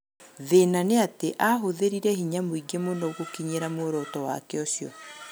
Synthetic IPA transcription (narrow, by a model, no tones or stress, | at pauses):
ðenaneateʔaɦoðeɾiɾɛhiɲamoiɡemonɔɣokiɲeɾamoɾɔtɔwa̰kɛɔsjɔ̰